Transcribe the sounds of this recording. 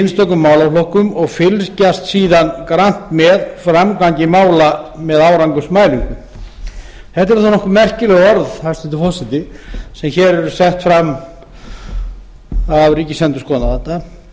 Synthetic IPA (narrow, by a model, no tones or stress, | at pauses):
nst̪œkːʏmːaːwlaflɔhkʏmɔɣfɪlscast̪siːðankɾan̥t̪mɛðfɾamkaɲcɪmaːwlamɛðawɾaŋkʏsmaːjliŋkʏm | θɛht̪ɪɾaθanɔhkʏmɛr̥cɪlɛɣɔɾðhajst̪ɪnt̪ɪfɔsɪt̪ɪsɛmçɛɾɛɾʏsɛht̪fɾam | avɾiːcɪ̥sɛnt̪ʏskɔːnavant̪a